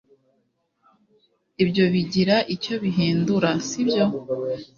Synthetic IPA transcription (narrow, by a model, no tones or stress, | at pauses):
ibjo̞βiɟiɾaʔico̞βiɦeːnduɾasibjo̞